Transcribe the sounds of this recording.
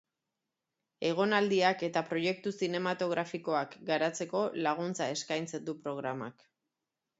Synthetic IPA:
e̞ɣ̞o̞nald̪iake̞t̪apɾo̞je̞k̚t̪usine̞mat̪o̞ɣɾafiko̞akɡaɾat͡se̞ko̞laɣ̞unt͡sae̞skajnt͡se̞nd̪upɾo̞ɣ̞ɾama̰k

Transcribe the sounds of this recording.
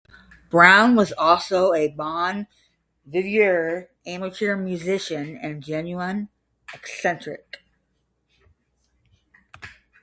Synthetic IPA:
b̥ɹãʊ̃nwʌzɔlˠsoʊɨbɑ̃n | vɪvjə˞ | æ̃mətʰɪɹmjʉzɪʃɨ̃nɨ̃nd͡ʒɛ̃njʉə̃n | ɨksɛ̃nt͡ʃɹ̥ɪ̰k

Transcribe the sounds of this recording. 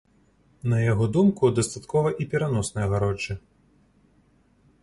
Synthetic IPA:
nɐjaɣɔd̪umkud̪ɐst̪at̪kʰɔvɐʔipʲɛɾanɔsnɨjɐɣaɾɔt͡ʂːɨ

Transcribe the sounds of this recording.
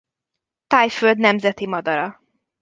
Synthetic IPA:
t̪aːjføld̪nɛmzɛt̪imɒd̪ɒɾɒ

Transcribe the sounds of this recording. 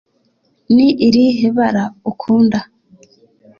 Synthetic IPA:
niʔiɾiɦeβaɾaokʰuːnda

